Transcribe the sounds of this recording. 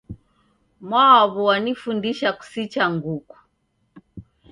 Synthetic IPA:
mwawaβɔwanifundiʃaku̥sit͡ʃaŋɡuku̥

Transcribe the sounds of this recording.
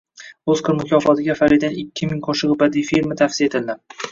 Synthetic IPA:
ɵz̥qʰɨɾmʊkʲʰɒfɒt̪ʰɪɡʲafaɾid̪anɪkʲʰːɪmɪŋqʰoʃɨʁɨbad̪ijfiɾmɪt̪ʰafsijaet̪ʰɪld̪ɪ

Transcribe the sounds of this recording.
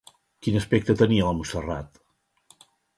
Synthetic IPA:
kinəspɛk̚t̪ət̪əniələmusərat̪

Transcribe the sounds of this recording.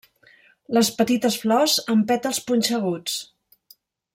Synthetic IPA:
ləspət̪it̪əsflɔzəmpɛt̪əlˠspunʲt͡ʃəɣ̞ut͡s

